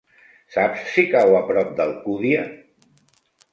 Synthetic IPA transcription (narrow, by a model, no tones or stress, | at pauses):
sapsːikawəpɾɔp̚d̪əlˠkuðia